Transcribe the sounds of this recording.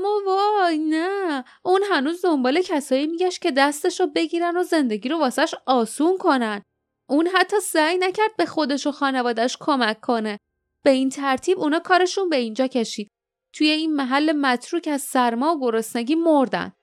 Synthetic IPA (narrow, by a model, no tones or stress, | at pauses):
mːɒvɒjnæ | unɦænuːzd̪ombɒːle̞cʰæsɒːjimiɟæʃtcʰe̞d̪æst̪e̞ʃobe̞ɟiːɾæno̞ze̞nd̪e̞ɟiːɾo̞vɒːsæʃɒːsunkʰo̞næn | ʔunɦæt̪ʰːɒːsæjnæcʰæɾd̪̚be̞xo̞d̪e̞ʃoxɒːne̞vɒːd̪æʃkʰo̞mækʰːo̞ne | b̥e̞int̪ʰæɾt̪ʰiːbunɒːkʰɒːɾe̞ʃunbe̞ind͡ʒɒːcʰe̞ʃiːd̪̥̚ | t̪ʰuje̞inmæɦælːe̞mæt̪ʰɾuːcʰæzsæɾmɒːoɡo̞ɾosneɟiːmoɾd̪æ̰n